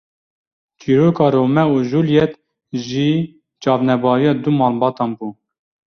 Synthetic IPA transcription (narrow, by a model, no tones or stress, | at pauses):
t͡ʃiːɾoːkɑːɾoːmɛuːʒuːljɛt̪ | ʒiː | t͡ʃɑːvnɛbɑːɾijɑːd̪umɑːlbɑːt̪ɑːnbuː